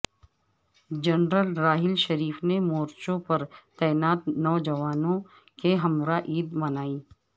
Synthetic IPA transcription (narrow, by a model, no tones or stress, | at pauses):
d͡ʒɐnɾəlɾaːɦɪlʃɐɾiːfnemoːɾt͡ʃõpɐɾt̪ɛːnaːt̪nɔːd͡ʒɐʋaːnõ | keɦɐmɾaʔiːd̪mɐnaːiː